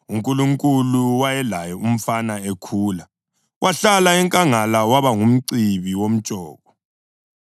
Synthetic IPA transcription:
uŋkʼuluŋkʼuluwajɛlajɔum̩fanaekʰuːla | wʔaɬalaɛŋkʼaŋalawaβaŋum̩ǀiβiwom̩t͡ʃʼɔːɣɔ

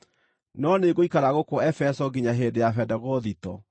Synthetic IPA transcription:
nɔneɡoikaɾaɣokɔɛfɛsɔɡiɲaɦedejafɛdɛɣɔðitɔ̰

